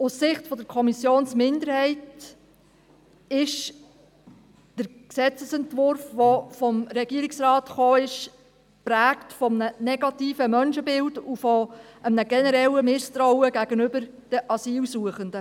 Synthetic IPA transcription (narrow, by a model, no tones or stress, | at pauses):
ʊsːɪχtfɔdəɾkʰɔmisjoːnsmɪnd̪əɾhɛɪt | ɪʃ | d̥əɾksɛt͡səsɛntvʊɾfʋofɔmɾɛɡiːəɾiksrɑːtχoːɪʃ | pɾæːktfɔmənənɛɡ̥ɑtiːfəmœnʃəbɪldufɔəmnəɡɛnəɾɛləmɪst̪ɾɔʊəɡæɡ̥ənʏbəɾ | d̥əʔɑsiːlsuəχəndə